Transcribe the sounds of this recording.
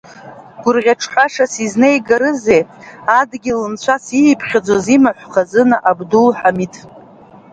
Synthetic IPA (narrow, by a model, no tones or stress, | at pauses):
ɡ̥ʷʊrʁʲaʈ͡ʂʰħʷaʂasiznejɡaɾɨze̞jadɡʲɪlɨnt͡ɕʷʰasijːpʰχʲad͡zʷozimaħʷχazɨnaʔabdulħamitʰʼ